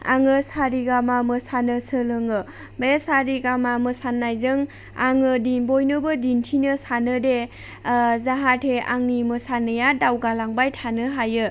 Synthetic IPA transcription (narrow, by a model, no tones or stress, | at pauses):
a̰ŋɯsaɾiɡamamɯsanɯsɯlɯŋɯ | besaɾiɡamamɯsanːajzɯŋ | a̰ŋɯdinbojnɯbɯdintʰinɯsanɯde | zaɦatʰea̰ŋnimɯsanɯjadawɡalaŋbajtʰanɯɦajɯ